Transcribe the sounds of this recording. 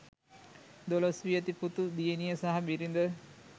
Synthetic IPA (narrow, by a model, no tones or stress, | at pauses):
d̪olosʋijət̪iput̪ud̪ijenijəsaɦabiɾind̪ə